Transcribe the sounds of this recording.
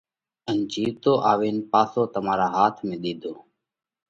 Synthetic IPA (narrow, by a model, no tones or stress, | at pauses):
ənd͡ʒiːʋt̪oːʔaːʋeːnpaːsoːt̪əmaːɾaːɦaːt̪ʰmẽːɗ̪iːd̪ʱoː